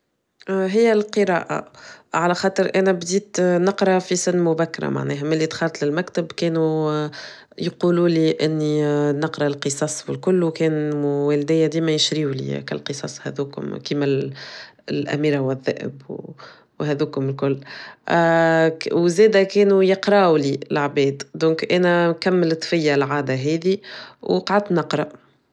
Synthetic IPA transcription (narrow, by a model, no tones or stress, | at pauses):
ɦɪjːælqəɾɑ̰ːʔa̰ʕalæxɑːt̪ˤəɾʔænæbd̪iːt̪nɑqɾˤɑfisɪnːmʊbækːɑɾˤɑ̰ma̰ʕnɛːɦæmɪlːit̪xɑːɾˤt̪ˤlɪlmækt̪ɪbkɛːnu | jquːluːliʔɪnːinɑqɾˤɑlqəsˤɑsˤwɪlkʊlːwkɛːnwæːld̪ɪjːæd̪iːmæjɪʃɾiːulḭkæ̰lqəsˤɑsˤhæ̰d̪uːkʊ̰mkiːmæl | lʔæ̰miːɾawæðːæ̰ːʔɪ̰bw | wɦɛðuːkhʊmɪlkʊlː | wzɛːd̪ækɛːnujəqɾɑwlilʕbɛːd̪d̪ɔ̃ːkʔæːnɛkæmːəlt̪ˤfɪjːalʕaːd̪aɦɛːðiwqʕad̪nɑqɾˤɑ